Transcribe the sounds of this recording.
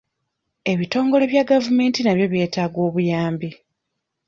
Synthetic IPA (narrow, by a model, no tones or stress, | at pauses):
e̞βito̞ːŋɡo̞le̞βjaɡavume̞ːntinaβjo̞βje̞ːtaːɡwo̞ːβujaːmbi